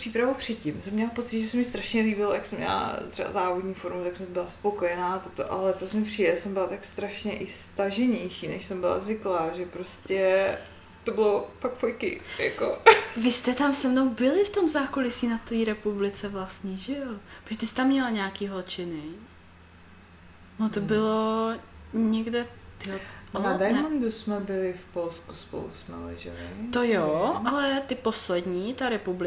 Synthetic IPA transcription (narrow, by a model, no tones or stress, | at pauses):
pr̥iːpɾavupr̝̥ɛt̪̚cɪmsɛmːɲɛlapo̞t͡sɪt̪ʒɛsɛmɪst̪ɾaʃɲɛliːbɪlojaksɛmɲɛ̰la̰t̪ɛ̰ba̰zaːvodɲiːfoɾmut̪aksɛmbɪlaspo̞ko̞jɛnaːt̪ot̪o̰ʔa̰lɛt̪osɛmɪpriːdɛsɛmbɪlat̪akst̪ɾaʃɲɛʔɪst̪aʒɛɲɛjʃiːnɛʃsɛmbɪla̰zvɪklaːʒɛpɾo̞scɛ | t̪o̞bɪlofak̚fojkɪ̰ja̰kovɪst̪ɛt̪amsɛmnowbɪlɪft̪o̞mzaːkolɪsiːnat̪iːɾɛpublɪt͡sɛvlast̪ɲiʒɛjopʒd̪ɪst̪amɲɛlaɲaːkiːɦot͡ʃɪnɪ | not̪obɪlo | ɲɛɡdɛjoʔonadajɛnnomdosmɛbɪlɪfpolskuspo̰lṵsmɛ̰lɛ̰ʒɛ̰lɪ̰t̪ojoalɛt̪ɪpo̞slɛd̪ɲiːt̪aɾɛpublɪ